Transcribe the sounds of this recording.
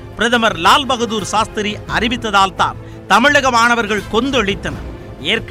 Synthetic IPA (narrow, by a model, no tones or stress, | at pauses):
pɪɾɐðɐmɐɾlaːlbɐɣɐðuːɾsaːst̪ɪɾiʔɐɾɪʋɪt̪ːɐðaːlt̪a̰ːl | t̪ɐmɪɻɐɣɐmaːnɐʋɐɾɣɐɭkɔnd̪ɯɛɭɪt̪ːɐnɐ̰ɾ | eːɾk